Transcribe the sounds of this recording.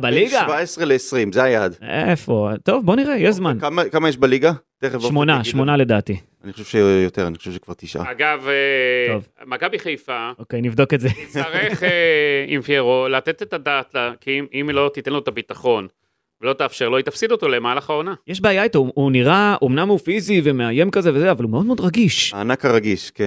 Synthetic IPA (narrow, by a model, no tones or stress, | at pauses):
baliɡavaesʁeleːsʁimzeajad̪efot̪o̞vbo̞niʁejeʃzmankamakamajɛʃbaliɡa | t̪eχevʃomonaʃmo̞nale̞d̪aːt̪i | aniχoʃevʃejot̪eʁaniχo̥ʃevʃe̥kv̥aʁt̪iʃʔa̰aɡaveo̞vmakabiχejfaokejnivd̪o̞ketzesaʁeχeḭmfjeʁolat̪et̪et̪adatlakiimimlo̞t̪it̪enloetabit̪aχo̞n | velo̞t̪aːfʃeʁlo̞jit̪afsid̪ot̪o̞lemaːlaχaonajeʃ̬baːjait̪ouuniʁaʔomnamufizivemeaje̞mkazevezeavalumeo̞d̪me̞od̪ʁaɡiʃaːnakaʁaɡiʃken